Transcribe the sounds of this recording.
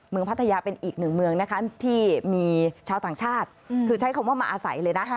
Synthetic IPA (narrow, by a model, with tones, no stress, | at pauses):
mɯ˧əŋpʰt̪ʰːa˧jaː˧pe˧nʔiː˨˩k̚nɯ˨˩ŋmɯ˧əŋna˦˥kʰa˦˥t̪ʰiː˥˩miː˧t͡ɕʰaː˧wt̪aː˨˩ŋt͡ɕʰaː˥˩t̪̚kʰɯː˧t͡ɕʰa˦˥jkʰa˧mwaː˥˩maː˧ʔaː˧sa̰˩˦jlɤː˧jna˦˥